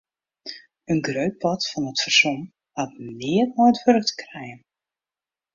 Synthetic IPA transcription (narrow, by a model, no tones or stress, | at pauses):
ənɡrøɥt̚pʰɔtfɔnətfərson | hatmnɪːətmɔjətʋøɾk̚tə̥krɛjən